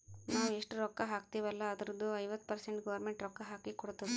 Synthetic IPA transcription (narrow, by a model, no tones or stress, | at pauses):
naːʋeʂʈuɾɔkːɐɦaːk̚t̪iːʋɐlːɐːd̪ɐɾɐd̪uɐjʋɐt̪ːpɐɾseɳʈɡɐʋɐɾmeɳʈɾɔkːɐɦaːkikɔɽt̪ːɐʋi